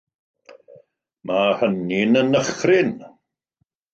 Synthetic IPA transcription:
mʔahəninənəχrɪn

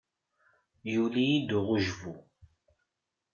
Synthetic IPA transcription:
julijid̪uʁʊʒvu

